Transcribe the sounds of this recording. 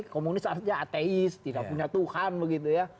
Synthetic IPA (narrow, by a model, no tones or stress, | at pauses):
kɔmunisaaʔaːt̪eist̪ilakuɲat̪uxaːnməɣit̪əja